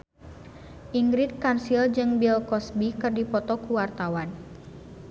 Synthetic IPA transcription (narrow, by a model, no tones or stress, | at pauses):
ʔiŋɡɾit̪̚kansild͡ʒɨŋbilkɔsbikɨrdipɔt̪ɔkuwart̪awan